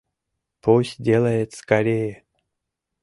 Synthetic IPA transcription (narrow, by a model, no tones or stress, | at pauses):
pusʲdʲelˠəjet̪skaɾʲejə